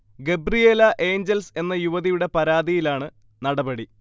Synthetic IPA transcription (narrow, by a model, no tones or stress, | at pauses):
ɡe̞brijelɐʔe̞ːɲd͡ʑelse̞nːɐjuʋɐðijuɽe̞pɐɾaːðijilaːɳɨ | nɐɽɐbɐɽi